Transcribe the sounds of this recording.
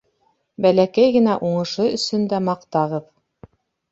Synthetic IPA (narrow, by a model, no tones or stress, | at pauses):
bælækæjɡɘ̆næʔuɴɤ̆ʃɤɵ̆sɵ̆nd̪æmɑqt̪ɑʁɤð